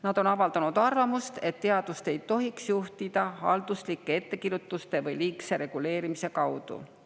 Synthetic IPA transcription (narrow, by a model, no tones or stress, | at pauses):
nɑd̪̥o̞nɑvɑld̪ɑnud̪̥ɑrvɑmust̪e̞t̪ːe̞ɑd̪̥ust̪e̞jt̪ːo̞ɦiksjuht̪id̪̥ɑhɑ̰ld̪̥uslikˑːe̞e̞t̪ːe̞kiɾut̪ːˑust̪e̞vɤjliːkse̞ɾe̞ɡ̥ule̞ːɾimise̞kɑwd̪̥ṵ